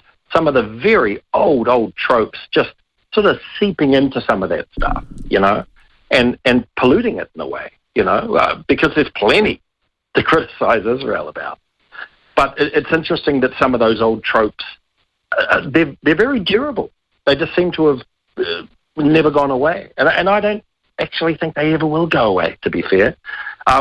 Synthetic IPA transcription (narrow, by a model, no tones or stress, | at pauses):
sʌ̃mʌvðəvɛɹioʊlˠdoʊlˠd̚tʰɹ̥oʊpsd̥ʒ̥ʌst̚ | sɔɹɾʌv̥sipɪ̃ŋɪ̃ntʉsʌ̃mʌvðɨ̰tstʰʌ̰fjɨ̰noʊ | ʔɨ̃nɨ̃npʰəlʉɾɪ̃ŋɪ̰ɾn̩ðə̰wḛɪ | jɨno̰ʊʌ̰b̥ɨkʰʌzðɨz̥pʰl̥ɛ̃ñi | tɨkʰɹ̥ɪɾɨsaɪzɨzɹa̰ɪlˠəba̰ʊt̚ | b̥ʌɾɪɪtsɪ̃nt͡ʃɹ̥ɨstɪ̃ŋðɨtsʌ̃mʌvðoʊzoʊlˠd̚tʰɹ̥oʊps | ðə˞ðə˞vɛɹidʊɹəbl̩ˠ | ðeɪd͡ʒʌstsĩmtʰəːv̥ | ʌ | nɛvə˞ɡɔ̃nəweɪɨ̃nɨ̃naɪdõʊ̃nt̚ | æk̚t͡ʃul̩ˠiθɪ̃ŋk̚ðeɪɛvə˞wɪlˠɡoʊəwḛɪɾɨbifɛɹʔʌ